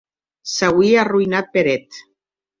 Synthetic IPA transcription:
sawiaruinat̪̚peɾet̪

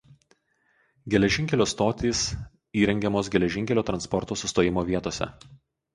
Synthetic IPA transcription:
ɡʲɛlʲɛʒʲɪŋʲkʲɛlʲoːst̪oːt̪ʲiːs | iːɾʲɛŋʲɡʲɛmoːs̬ɡʲɛlʲɛʒʲɪŋʲkʲɛlʲoːt̪ɾɐnspɔɾt̪oːsʊst̪oːjɪmoːʋʲiɛt̪oːsʲɛ̰

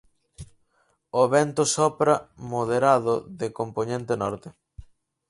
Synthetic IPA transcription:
oβɛnt̪ʊsɔpɾɐmoðeɾaðʊðɪkomponẽnt̪enɔɾt̪ɪ

